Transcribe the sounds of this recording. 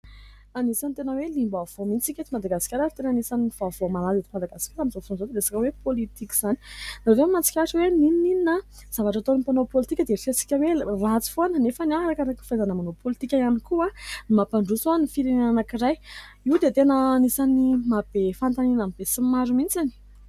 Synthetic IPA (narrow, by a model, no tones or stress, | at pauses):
anisant̪enəwelimbav̥omint͡sikʲet̪imad̪aɡaskʲaɾaɾit̪enanisanivavomalazet̪imad̪aɡasi̥kʲaɾamizosonzod̪ed̪esakəwepolit̪iki̥z̥ani̥navemant͡si̥kʲaʈ͡ʂwenininininə | z̥avaʈ͡ʂat̪onipanopolit̪ikʲəd̪efesi̥kʲəwerat͡si̥fonənefəniaɦɾakaɾakifaazanəmanopolit̪ikʲajanikuanimapaɳɖ͡ʐusoanifiɾeneananakiɾaj | iwd̪et̪enəːnisanimab̥efant̪aninamibesimaɾumint͡sani̥